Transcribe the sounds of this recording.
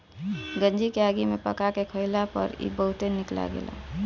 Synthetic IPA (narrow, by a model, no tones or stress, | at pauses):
ɡə̃nd͡ʒikeaːɡimepəkakekʰəɪlapə̰ɾḭbəɦʊt̪enɪkla̰ɡḛːlʔa̰